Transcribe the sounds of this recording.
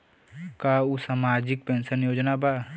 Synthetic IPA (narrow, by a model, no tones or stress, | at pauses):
kaːusaːmaːd͡ʒɪk̚pensənjoːd͡ʒnaba